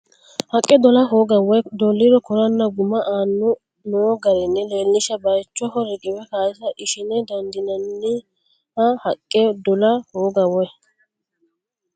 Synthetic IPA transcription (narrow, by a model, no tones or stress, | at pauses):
hɐkʼːɛd̪ɔlɐɦoːɡɐwɔjd̪ɔlːɪɾɔkɔɾɐnːɐɡʊmɐʔaːnːʊ | noːɡɐɾɛnːɛle̞ːlːɪʃɐbɐjt͡ʃːɔɦɔɾɪɡʼɪbɛkaːɪsɐʔɪʃɪnɛd̪ɐnd̪ɪnɐnːɪ | hɐhɐkʼːɛd̪ɔlɐhoːɡɐwɔ